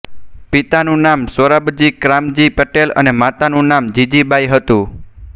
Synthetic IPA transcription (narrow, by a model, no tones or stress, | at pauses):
pit̪anũnamsəɾabd͡ʒikɾamd͡ʒipəʈelə̰nemat̪anũnamd͡ʒid͡ʒibajɦət̪ũ